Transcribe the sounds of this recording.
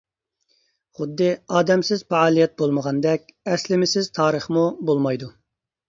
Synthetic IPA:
χʊd̪ːɨɑːd̪ɛmsɪzfɛɑːlˠijɛt̪̚bolˠməʁɑnd̪ɛkʲɛslɪmɪsɪzt̪ʰɑːɾəχmubolˠmɑjd̪u

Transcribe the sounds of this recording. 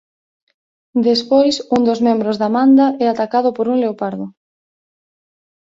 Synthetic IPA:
d̪espojsund̪ozmẽmbɾozðamand̪aʔɛat̪akað̞ʊpoɾuŋleopaɾðʊ

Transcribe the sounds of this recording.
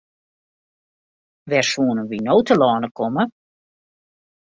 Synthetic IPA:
ʋɛrsuːnənʋinoːwtəlɔːnəkʰɔmə

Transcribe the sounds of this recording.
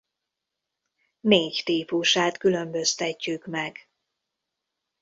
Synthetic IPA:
neːct̪iːpuʃaːt̪kylø̞mbø̞st̪ɛcːykmɛɡ

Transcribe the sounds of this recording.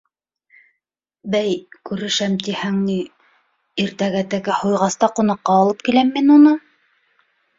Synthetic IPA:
bæjkʉɾɘ̆ʃæmt̪ihæŋni | iɾt̪æɡæt̪æɡæhujʁɑst̪ɑqŭnɑqːɑːlˠɤp̚kilæmːinunɤ

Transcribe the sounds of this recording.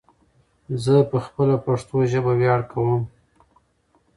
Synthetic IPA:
zəpəxpəlapaʂt̪oʒəbawjɑɽkawəm

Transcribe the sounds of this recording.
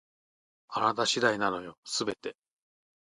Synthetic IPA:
anat̪aɕid̪ainano̞jo̞sɨbe̞t̪e̞

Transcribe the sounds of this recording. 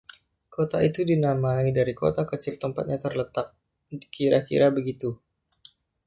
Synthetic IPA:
kot̪ait̪udinamaidaɾiko̰t̪akət͡ʃɪlt̪əmpa̰t̪̚ɲat̪ərlət̪ak̚ | kiɾakḭɾabəɡit̪u

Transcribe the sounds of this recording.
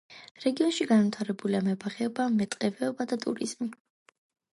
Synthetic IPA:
ɾɛɡiɔnʃiɡanvit̪ʰaɾɛbuliamɛbaχɛɔbamɛt̪ʼqʼɛvɛɔbad̪at̪ʼṵɾḭz̥mi

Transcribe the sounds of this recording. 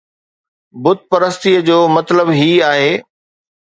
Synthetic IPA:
bʊd̪̚ʱpɐɾəst̪ijəd͡ʑoːmɐt̪ləbɦiːaːɦeː

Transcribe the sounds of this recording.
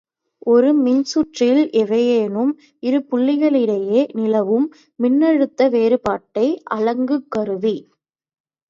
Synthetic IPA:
ʔɔɾɯmɪnsʊʈrɪlʔɛʋɐjeːnɯm | ɪɾɯpʊɭːɪɣɐɭɪɽɐjeːnɪlɐʋɯmː | ɪnːɐɻɯt̪ːɐʋeːɾɯpaːʈːɐɪʔɐɭɐŋɡɯkːɐɾɯʋi

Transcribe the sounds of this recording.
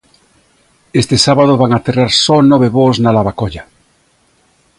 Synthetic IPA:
est̪esaβað̞oβaŋaθeraɾsonɔβeβoznalaβakoʎa

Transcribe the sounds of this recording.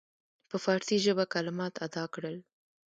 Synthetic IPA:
pəfɑɾt̪iʒəbakalɪmɑt̪ʰad̪ɑkɽəl

